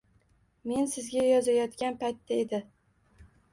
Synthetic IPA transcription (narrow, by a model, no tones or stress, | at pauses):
me̞nsɪzɡʲajɒzajɒt̪kʲanpajt̪ʰːaed̪ɪ